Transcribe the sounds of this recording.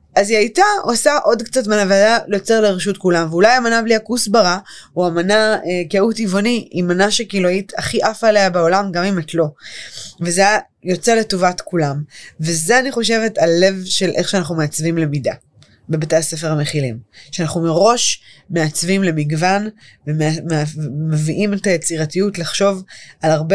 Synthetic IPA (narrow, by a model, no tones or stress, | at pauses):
aziajtao̞saʔo̞dkt͡satmanaveadalejot͡seʁleʁiʃ̬utkulamveulajamanabliakusbaʁauamanaekeutivoniimanaʃekiloitʰaχiʔafaleabeolamɡamimatlo̞ | veze | jo̞t͡seletovatkulamvezeaniχo̞ʃe̞ve̞talle̞vʃelʔeχʃeanaχnumeat͡svimle̞mida | bebatejasefe̞ʁameχilimʃeanaχnumeʁo̞ʃmeat͡svimle̞miɡvanvemmeviʔimetajet͡siʁatijutlaχʃo̞valaʁbe